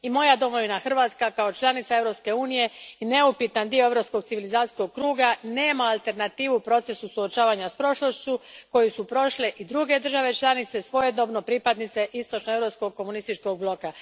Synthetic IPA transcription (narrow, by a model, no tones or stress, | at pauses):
imo̞jad̪o̞mo̞ʋinaxr̩ʋaːt̪skakaot͡ʃlˠanit̪saevɾopske̞uːnije̞ine̞upit̪and̪ioeɾo̞psko̞ɡ̚tsiʋilizaːt̪i̥ko̞ɡ̚kɾuːɡane̞ːmaːlˠt̪e̞ɾnat̪iːʋupɾo̞t̪se̞susuot͡ʃaːʋaɲaspɾo̞ʃlo̞ʃt͡ɕuko̞jisupɾo̞ʃleʔid̪ɾuɡe̞d̪r̩ʒaʋe̞t͡ʃlˠanit̪se̞sʋo̞je̞d̪no̞bno̞pɾipad̪nit̪se̞ʔist̪o̞t͡ʃnoe̞vɾo̞psko̞ɡ̚kːo̞munist̪it͡ʃko̞ɡ̚blˠo̞ka